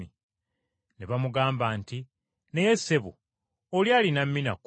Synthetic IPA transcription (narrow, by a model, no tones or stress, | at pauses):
i | neβamuɡaːmbanti | ne̞jesːe̞βṵ | oljaːlinamːina̰k